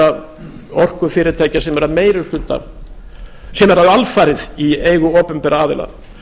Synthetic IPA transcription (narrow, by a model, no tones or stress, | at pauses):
a | ɔr̥kʏfɪːɾɪɾt̪ʰaːjcasɛmɛɾameːjɾʏ̥ɬlʏt̪ːa̰ | sɛmɛɾaðalfaːɾɪðieːjɣʏɔːpʏmpɛɾaaːðɪ̰la̰